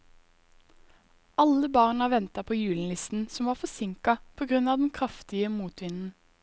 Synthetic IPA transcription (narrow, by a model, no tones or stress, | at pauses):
ʔɑləbɑʁnɑʋɛnt̪ɑpʰoːjʉːln̩lɪst̪n̩sɔmʋɑːfɔsɪŋkɑpʰoːɡʁʉnɑːʋd̪ɛn̩kʰʁɑft̪ɪəmuːt̪ʋɪnn̩